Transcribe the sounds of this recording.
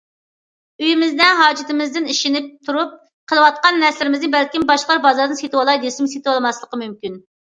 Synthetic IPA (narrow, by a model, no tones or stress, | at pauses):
yjimɪzd̪ɛnɦɑːd͡ʒɪt̪ɪmɪzd̪ɪniʃɪnɪp̚t̪ʰuɾup̚ | qʰəlˠɨwɑt̪̚qɑnːɛslɪɾɪmɪznɪbɛlkʲimbɑʃlˠɑɾbɑzɑɾd̪ɨnset̪wɑlˠɑjd̪esɪmset̪wɑlˠɨmɑslˠəqəmymkʲyn